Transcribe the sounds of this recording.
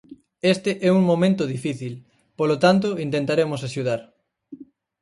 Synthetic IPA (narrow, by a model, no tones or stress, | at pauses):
est̪ɪʔɛuŋmõmẽnt̪ʊðifiθil | polot̪ant̪̬oint̪ẽnt̪aɾemosaʃuðaɾ